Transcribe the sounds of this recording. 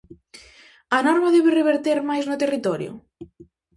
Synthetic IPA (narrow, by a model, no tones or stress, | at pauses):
ɐnɔɾmaðɛβɪreβeɾt̪eɾmajznʊt̪erit̪ɔɾjʊ̰